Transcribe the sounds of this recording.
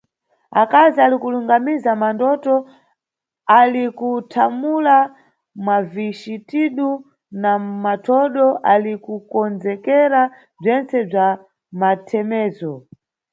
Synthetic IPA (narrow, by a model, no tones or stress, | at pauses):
akazialikuluŋɡamizamandɔtɔ | alikutʰamula | mwaviʃitiɗu | namatʰɔɗɔʔalikukɔnd͡zɛkɛɾa | b͡ʐɛnt͡sɛb͡ʐa | matʰɛmɛːzɔ